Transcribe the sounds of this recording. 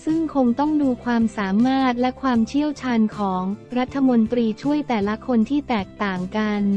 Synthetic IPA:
sɯ˥˩ŋkʰo˧ŋt̪ɔ˥˩ŋduː˧kʰwaː˧msaː˩˦maː˥˩t̪̚lɛ˦˥kʰwaː˧mt͡ɕʰi˥˩əwt͡ɕʰaː˧nkʰɔː˩˦ŋɾa˦˥t̪ʰːa˧mo˧nt̪ɾiː˧t͡ɕʰu˥˩əjt̪ɛː˨˩la˦˥kʰo˧nt̪ʰiː˥˩t̪ɛː˨˩k̚t̪aː˨˩ŋka˧n

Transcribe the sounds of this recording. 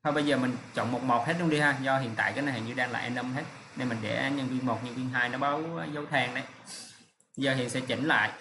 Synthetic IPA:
t̪ʰə˧˩ɓə˧jzəː˨˩mi˨˩ŋ̟t͡ɕo̰˧˨wŋ͡mmo˨˩t̚mo˨˩t̚he˦˥t̚ɗʊ˧ŋ͡mɗi˧haː˧zɔ˧ɦḭ˧˨ənt̪a̰ː˧˨jkaː˨˦jna˨˧˩ha̰ː˨˩ŋɲɨ˧ɗaː˧ŋla̰ː˧˨ʔa˧nə˧mɦe˦˥t̚ne˧nmï˨˩ŋ̟ɗḛ˧˩˦ɲə˧nkwi˧ŋmo˨˩t̚ɲə˧nkwi˧ŋɦaː˧jnɔ˨˦ɓə˨˦wzə˨˦wt̪ʰɛː˧˩ŋnə˧˩j | zəː˨˩ɦḭ˧˨nsɛ̰˧˥t͡ɕi˧˩ŋ̟la̰ː˧˨j

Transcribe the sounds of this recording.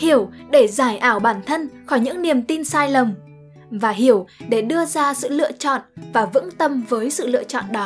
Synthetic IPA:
hi˧˩əwɗe˧˩zaː˧˩jʔaː˧˩wɓaː˧˩nt̪ʰə˧nxɔ˧˩jɲɨ̰˧˥ŋni˨˩əmt̪i˧nsaː˧jlə˨˩m | vaː˨˩ɦi˧˩əwɗe˧˩ɗɨ˧əzaː˧sɨ̰˧˨lɨ̰˧˨ət͡ɕɔ̰˧˨nvaː˨˩vɨ̰˧˥ŋt̪ə˧mvəː˨˦jsɨ̰˧˨lɨ̰˧˨ət͡ɕɔ̰˧˨nɗɔ˨˦

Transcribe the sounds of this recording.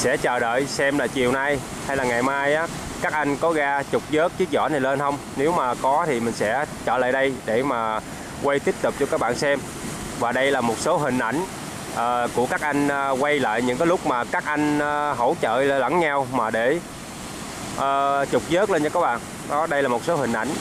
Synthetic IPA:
sɛ̰˧˥t͡ɕəː˨˩ɗə̰ː˧˨jsɛ˧mlaː˨˩t͡ɕi˨˩əwna˧j | ha˧jlaː˨˩ŋa˨˩jmaː˧jʔaː˨˦˥ | kaː˦˥k̚ʔa˧jŋ̟kɔ˨˦ɣaː˧t͡ɕʊ˨˩k͡p̚zə˦˥k̚t͡ɕɨ˦˥ək̚zɔ̰˧˥na˨˩jle˧nhə˧wŋ͡mne˨˦wmaː˨˩kɔ˨˦t̪ʰi˨˩mï˨˩ŋ̟sɛ̰˧˥t͡ɕəː˧˩la̰ː˧˨jɗə˧jɗe˧˩maː˨˩ | kwə˧jt̪i˦˥əp̚t̪ʊ˨˩p̚t͡ɕɔ˧kaː˦˥k̚ɓa̰ː˧˨nsɛ˧m | vaː˨˩ɗə˧jlaː˨˩mo˨˩t̚so˨˦ɦï˨˩ŋ̟ʔa˧˩jŋ̟ | ʔəː˨˩ku˧˩əkaː˦˥k̚ʔa˧jŋ̟ː˧kwa˧jla̰ː˧˨jɲɨ̰˧˥kaː˨˦lʊ˦˥k͡p̚maː˨˩kaː˦˥k̚ʔa˧jŋ̟ː˧ɦo˧˩wt͡ɕə̰ː˧˨llə̰˧˩˨ŋɲa˧wmaː˨˩ɗe˧˩ | ʔəː˨˩t͡ɕʊ˨˩k͡p̚zəː˦˥k̚le˧nt͡ɕɔ˧kaː˦˥k̚ɓa̰ː˧˨ŋ | ɗɔ˨˦ɗə˧jlaː˨˩mo˨˩t̚so˨˦hï˨˩ŋ̟ʔa̰˧˩jŋ̟

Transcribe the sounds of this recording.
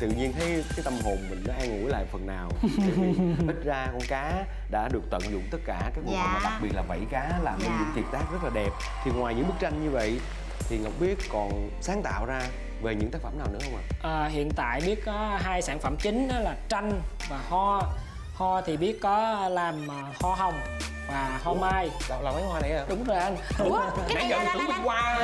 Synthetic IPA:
t̪ɨ̰˧˨ɲi˧ənt̪ʰə˨˦jkaː˨˦jt̪ə˧mɦo˨˩nmḭ˨ŋkɔ˨˦ʔaː˧jŋṵ˧˥jla̰ː˧˨jfə˨˩nːaː˨˩whi˦˥t̚zaː˧kɔ˧nkaː˨˦ | ɗa̰ː˧˥ɗɨ˨˩ək̚t̪ə̰˧˨nzʊ̰˧˨ŋ͡mt̪ə˦˥t̚kaː˧˩kaː˨˦˥k̚ŋ˧˨˦mː˨ɗa˨˩k̚ɓi˨˩ət̚laː˨˩və̰˧˨jkaː˨˦laː˨˩mɲɨ˧˦ɲɨ̰˧˥ŋt̪i˨˩p̚t̪aː˦˥k̚zə˦˥t̚laː˨˩ɗɛ˨˩p̚ | t̪ʰi˨˩ŋwaː˨˩jɲɨ̰˧˥ŋɓɨ˦˥k̚t͡ɕa˧jŋɲɨ˧və̰˧˨j | t̪ʰi˨˩ŋə˨˩wk͡p̚ɓi˦˥ət̚kɔ˨˩n | saː˨˦ŋt̪a̰ː˧˨wzaː˧ | ve˨˩ɲɨ̰˧˥t̪aː˦˥kfə˧˩mnaː˨wnɨ̰˧˥əhə˧wŋ͡mʔa˨˩ʔəː˨˩hḭ˧˨ənt̪a̰ː˧˨jɓi˦˥ət̚kɔ˨˦ɦaː˧jsaː˧˩nfə˧˩mt͡ɕï˨˦ŋ̟ɗɔː˨˦laː˨˩t͡ɕa˧jŋ̟ | vaː˨˩hɔ˧ | hɔ˧t̪ʰi˨˩ɓi˦˥ət̚kɔ˨˦laː˨˩mʔəː˨˩hɔ˧ɦə˧wŋ͡m | vaː˨˩ho˧mnaː˧jɗa˧˨wlaː˨˩ma˨˦jhwaː˧na˨˩ja˧ɗʊ˨˦ŋ͡mzo˨˩jʔə˧n˨˦˨ | na˨˦zə˧˨ŋ͡mtɨ˨˦ŋm˨˦kwaː˧

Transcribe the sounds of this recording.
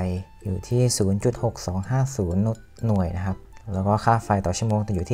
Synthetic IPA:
j | juː˨˩t̪ʰiː˥˩suː˩˦nt͡ɕu˨˩t̪̚ho˨˩k̚sɔː˩˦ŋhaː˥˩suː˩˦nːu˦˥t̪̚ːu˨˩əjna˦˥kʰa˦˥p̚lɛː˦˥wkɔː˥˩kʰaː˥˩fa˧jt̪ɔː˨˩t͡ɕʰu˥˩əmoː˧ŋt̪ɛ˨˩juː˨˩t̪ʰː

